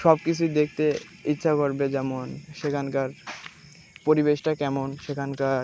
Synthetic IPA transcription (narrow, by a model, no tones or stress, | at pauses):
ʃɔbkit͡ɕʰud̪ek̚ʰt̪e | itːɕʃʰakoɾbed͡ʑɛmonʃekʰankaɾ | poɾibeʃʈakɛmonʃekʰankaɾ